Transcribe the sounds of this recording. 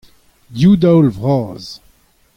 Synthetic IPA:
djud̪awlvʁɑːz

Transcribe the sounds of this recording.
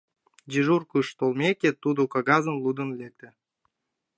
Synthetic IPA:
d͡ʑiʒurkuʃt̪olmʲekʲet̪ud̪okɑɡɑzə̆nlˠud̪ə̆nlek̚t̪ĕ

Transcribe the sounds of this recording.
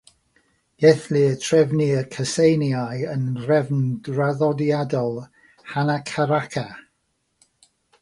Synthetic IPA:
ɡ̥ɛθliətʰrɛvniəkʰəsejnjajənrɛvndraðɔdjadɔlˠ | hanakʰaɾakʰa

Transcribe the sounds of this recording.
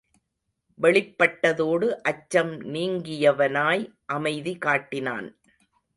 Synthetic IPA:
ʋɛɭɪpːɐʈːɐðoːɽɯʔɐt͡ʃːɐmniːŋɡɪjɐʋɐnaːj | ʔɐmɐɪðikaːʈːɪna̰ːn

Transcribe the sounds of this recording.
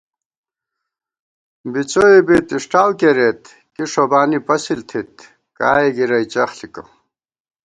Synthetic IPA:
bit͡soibit̪iʂʈaːwkeɾet̪ | kiʂobaːnipɐsilt̪ʰit̪ | kaːiɡiɾɐit͡ɕɐxlikɐ̰

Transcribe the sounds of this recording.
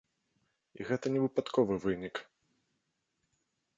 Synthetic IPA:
iɣɛt̪ɐnʲɛvɨpat̪kɔvɨvɨnʲik

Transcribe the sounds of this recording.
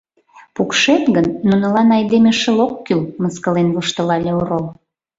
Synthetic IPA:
pukʃet̪ɣənːunɤ̆lɑnɑjd̪emeʃə̆lokːylməskəlenləʃt̪ə̆lɑlʲeoɾol

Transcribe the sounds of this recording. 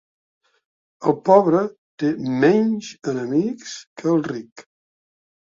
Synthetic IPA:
əlˠpɔβɾət̪emɛɲʒənəmikskʰəːlˠrik

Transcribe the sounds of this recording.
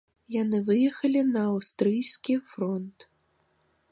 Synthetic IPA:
janɨvɨjɛxɐlʲinɐːwst̪ɾɨjsʲkʲifɾɔnt̪

